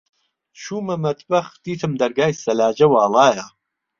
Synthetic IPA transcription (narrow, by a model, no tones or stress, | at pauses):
ʃuːmɐmɐt̪ʰbɐxt̪iːt̪ʰɨmd̪ɐɾɡaːjsɐlaːd͡ʒɐwɑːlˠɑːjɐ